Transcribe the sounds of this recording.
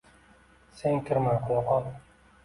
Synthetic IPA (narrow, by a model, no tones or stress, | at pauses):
seŋkʲʰɪɾmanqʰʊlˠɒqʰɒt̪